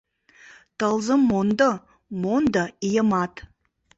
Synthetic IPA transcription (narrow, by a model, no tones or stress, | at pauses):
t̪əlˠzəmːond̪ə | mond̪əijəmɑt̪